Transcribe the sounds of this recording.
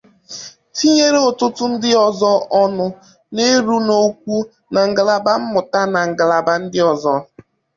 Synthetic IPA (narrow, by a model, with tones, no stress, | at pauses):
ti˦ɲe˦ɾe˦ʊ˨tʊ˦tʊ˦n̩˦dɪ˦ɔ˨zɔ˦ɔ˦nʊ˨ | ne˦ɾu˦no˦k̚ʷu˦ | na˨ŋ̩˨ɡa˨la˨ba˦m̩˦mʊ˨ta˦na˨ŋ̩˨ɡa˨la˨ba˦n̩˦dɪ˦ɔ˨zɔ˦